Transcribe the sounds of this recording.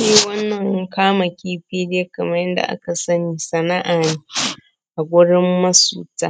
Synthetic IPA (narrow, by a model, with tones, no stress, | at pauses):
ʃiː˦wɐ˦nːɐ˨ŋ˦kaː˦ma˨kʲiː˦ɸiː˦deː˦kɐ˨mɐ˦rjɪ˦nda̰˨ʔa̰˦ka˨sɐ˦niː˨sɐ˨na˦ʔaː˨neː˦ | ʔa˨ɡʷʊ˦ɽɪ˦mːɐ˦sṵː˨taː˦